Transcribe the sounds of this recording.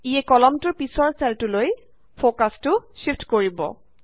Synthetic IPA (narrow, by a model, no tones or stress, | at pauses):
iɛkɔlɔmtʊɹpisɔɹsɛltuloj | pʰokastʊʃiftkoɹibɔ̰